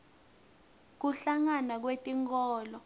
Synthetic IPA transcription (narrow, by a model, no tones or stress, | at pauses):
k̬uɬaŋanak̬wetʼiŋkɔːlɔ